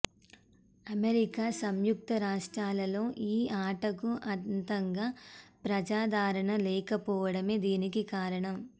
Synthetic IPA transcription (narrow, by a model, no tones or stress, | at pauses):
ɐmeɾikaːsɐmjuk̚t̪ɐɾaːʂʈɾaːlɐlo̞ːʔiːaːʈɐkuʔɐnt̪ɐŋɡaːpɾɐd͡ʒaːd̪ʱaːɾɐɳɐlɛːkɐpɔːʋɐɽɐmeːd̪iːnikikaːɾɐɳɐm